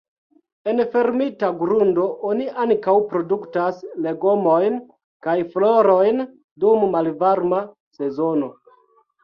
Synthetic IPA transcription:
e̞nfe̞ɾmitaɡɾundo̞ʔoniʔaŋkawpɾo̞duktasle̞ɡo̞mo̞jn | kajflo̞ɾo̞jn | dumːalvaɾma | se̞zo̞no̞

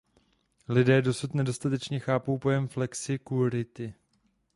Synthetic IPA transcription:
lɪdɛːdo̞sut̪nɛdo̞st̪at̪ɛt͡ʃɲɛxaːpo̞wpo̞jɛmflɛksɪkuɾɪt̪ɪ

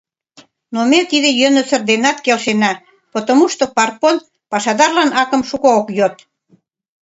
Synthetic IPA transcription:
nomet̪id̪ĕjønəsə̆rd̪enɑt̪kelʃenɑ | pot̪omuʃt̪opɑr̚pon | pɑʃɑd̪ɑrlɑnɑkə̆mʃukookjot̪

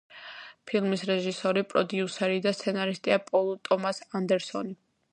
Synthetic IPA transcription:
pʰilˠmisɾɛʒisɔɾipʼɾɔd̪iusɛɾid̪ast̪sʰɛnaɾist̪ʼiapʼɔlˠɔt̪ʼɔmasand̪ɛɾsɔni

